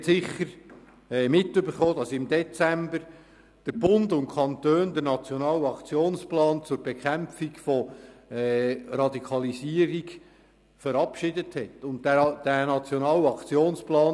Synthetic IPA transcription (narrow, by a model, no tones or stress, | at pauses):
tsɪχəɾ | ɛːmɪtːʏbəɾχoːd̥ɑsɪmd̥ɛt͡sæmbəɾ | d̥əɾb̥ʊndʊntkʰɑntøːndəɾnɑt͡sjonɑːlɑkt͡sioːnsplɑːnt͡sʊɾbɛkʰæmfiɡfɔɛrɑdikʰɑlisiːəɾiɡ | fəɾɑpʃɪdəthɛtʊntd̥ænɑt͡sjɔnɑːlɑkt͡sioːnsplɑːn